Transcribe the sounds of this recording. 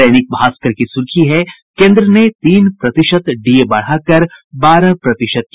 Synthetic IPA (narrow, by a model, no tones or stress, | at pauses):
ɛːnɪk̚bʱaːskəɾkisʊɾkʰiɦɛ | kẽːnd̪ɾənet̪iːnpɾɐt̪ɪʃət̪ɖiebɐɽ̤akɐɾbaːɾãpɾɐt̪ɪʃət̪̚k